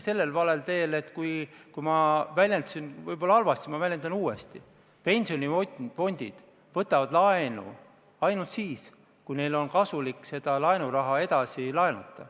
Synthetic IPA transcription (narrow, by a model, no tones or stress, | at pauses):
se̞lːe̞lvɑle̞lt̪e̞ːle̞t̪kujkujmɑvælʲjent̪usinvɤjb̥o̞lːɑɑlvɑst̪imɑvælʲjend̪̥ɑnuːe̞st̪i | pe̞nʲsio̞nʲiofo̞nʲd̪̥id̪̥ | vɤt̪ːˑɑvɑd̪̥lɑenṵ | ɑjnult̪siːs | kujne̞jlo̞nkɑsulikːˑse̞d̪̥ɑlɑenuɾɑɦɑe̞d̪̥ɑsilɑenɑ̰t̪ˑːɑ̰